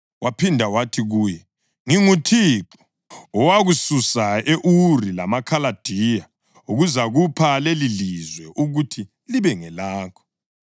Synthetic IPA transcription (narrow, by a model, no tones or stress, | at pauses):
wapʰindʱawatʰiɣuːjɛ | ŋiŋutʰiːǁɔ̥ | ɔwaɣususaeʔurila̰makʰalad̥ʱija | uɣuzaɣupʰalelilizwɛʔuɣutʰi | liβɛŋɛlaːkʰɔ̥